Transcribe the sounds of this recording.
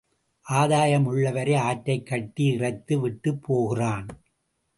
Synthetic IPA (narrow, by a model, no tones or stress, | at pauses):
ʔaːðaːjɐmʊɭːɐʋɐɾeaːʈːɐɪkːɐt̪ːiɪrɐɪt̪ːɯʋɪʈːɯpʰːoːɣɪraːn